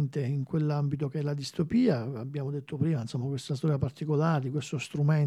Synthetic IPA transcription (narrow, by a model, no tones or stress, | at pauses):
nt̪eiŋkwelːambit̪̬okeɛlad̪ist̪opiːaabːjaːmod̪et̪ʰːopɾiːmainsomːakwest̪as̬t̪ɔːɾjapart̪ikolaːɾed̪ikwest̪ost̪ɾumen